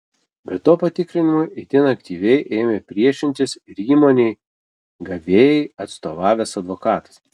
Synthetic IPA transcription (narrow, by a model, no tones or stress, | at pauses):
bʲɛt̪ːoːpɐt̪ʲɪkɾʲɪnʲɪmʊɪɪt̪ʲɪnɐkt̪ʲiːʋʲɛɪʔeːmʲepʲɾʲiɛʃʲɪnʲt̪ʲɪsɪɾiːmoːnʲɛɪ | ɡɐʋʲeːjɛɪɐt̪st̪oːʋɑːʋʲɛsɐd̪ʋokɑːt̪ɐ̥s